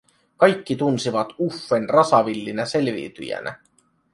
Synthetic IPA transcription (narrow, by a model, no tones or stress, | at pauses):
kɑjkːit̪unsiʋɑt̪ufːenrɑsɑʋilːinæse̞lʋḭːt̪y̰jæ̰nʔæ̰